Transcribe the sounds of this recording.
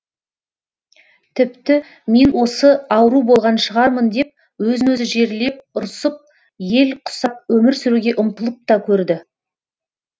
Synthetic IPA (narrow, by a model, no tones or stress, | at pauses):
t̪ʰɪpt̪ɪ | me̞nwo̞səɑwɾubo̞lˠʁɑnʃəʁɑɾmənd̪e̞p̚ | wɵzɪnwɵzɪʒe̞ɾle̞p̚ʊɾsəp̚ | je̞lqʰʊ̥sɑp̚wɵmɪɾsʏɾuɡʲe̞ʔʊmt̪əlˠəp̚t̪ɑkʲʰɵɾd̪ɪ